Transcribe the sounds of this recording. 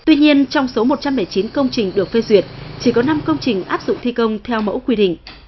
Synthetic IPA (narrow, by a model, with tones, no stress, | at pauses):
t̪wi˧ɲi˧ənt͡ɕɔ˧wŋ͡mso˨˦mo˨˩t̚t͡ɕa˧mɓə˧˩jt͡ɕi˨˦nkə˧wŋ͡mt͡ɕï˨˩ŋ̟ɗɨ˨˩ək̚fe˧zwi˨˩ət̚t͡ɕi˧˩kɔ˨˦na˧mkə˧wŋ͡mt͡ɕï˨˩ŋ̟ʔaː˦˥p̚zʊ̰˧˨ŋ͡mt̪ʰi˧kə˧wŋ͡mt̪ʰɛ˧wmə̰˧˥wkwi˧ɗḭ˧˨ŋ̟